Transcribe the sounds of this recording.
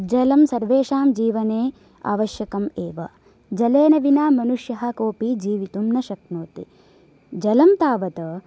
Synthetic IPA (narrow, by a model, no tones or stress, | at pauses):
d͡ʒɐlɐmsɐɾʋeːʂaːmd͡ʒiːʋɐneː | a̰ːʋɐʃjɐkɐmeːʋɐ̰ | d͡ʒɐleːnɐʋinaːmɐnuʂjɐɦɐ̆koːpid͡ʒiːʋit̪umnɐʃɐknoːt̪ḭ | d͡ʒɐlɐmt̪aːʋɐt̪ɐ